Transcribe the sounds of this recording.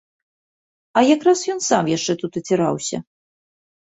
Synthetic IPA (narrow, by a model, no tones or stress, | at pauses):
ɐjakɾasjɔnsamjaʂt͡ʂɛt̪ut̪ɐt͡sʲɛɾa̰wsʲɐ̰